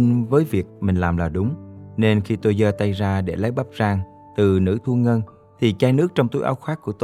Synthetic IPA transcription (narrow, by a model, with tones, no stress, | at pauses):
vəː˨˦jvi˨˩ək̚mï˨˩ŋ̟laː˨˩mlaː˨˩ɗʊ˨˦ŋ͡mne˧nxi˧t̪o˧jzəː˧t̪a˧jzaː˧ɗe˧˩la˨˦jɓa˦˥p̚zaː˧ŋ | t̪ɨ˨˩nɨ̰˧˥t̪ʰu˧əŋə˧n | t̪ʰi˨˩t͡ɕaː˧jnɨ˦˥ək̚t͡ɕɔ˧wŋ͡mt̪u˨˦jʔa̰˨˦wxaː˦˥kːu˧˩ət̪